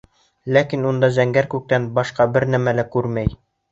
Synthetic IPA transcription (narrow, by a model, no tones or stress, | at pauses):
lækinund̪ɑzæŋɡæɾkʉk̚t̪ænbɑʃqɑbɘɾnæmælækʉɾmæj